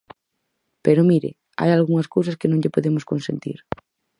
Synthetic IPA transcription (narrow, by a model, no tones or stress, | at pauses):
peɾomiɾɪ̰ | a̰jalɣuŋaskowsaskenõŋʎepoðemoskõnsḛ̃nt̪ḭɾ